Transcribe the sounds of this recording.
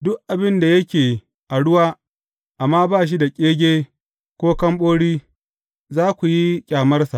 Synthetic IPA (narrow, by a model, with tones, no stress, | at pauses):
dʊ˦kʔa˨bɪ˦nda˨jɐ˦kʲeː˨ | ʔa˨ɽʊ˦waː˦ | ʔa˨mːaː˦baː˦˨ʃ̬i˦da˨kʲʼeː˦ɡʲeː˦ | kʷoː˦kɐ˦mɓoː˦ɽiː˦ | zaː˦kʷu˨ji˦kʲʼaː˨mɐ˦rsa̰˨ʔ